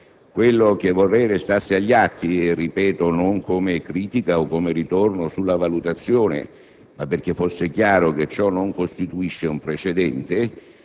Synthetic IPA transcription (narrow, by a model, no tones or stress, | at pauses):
kwelːok̟evːorːɛjɾest̪arsɪaʎːiat̪ːirːipɛːt̪onoŋkomekɾiːt̪ikaokːomeɾit̪ornosulːavalut̪at̪sːjoːnḛ | mapːerk̟efːosːɪkjaːɾok̟et͡ʃːɔnːoŋkost̪it̪uiʃːeumpɾet͡ʃed̪ɛnt̪e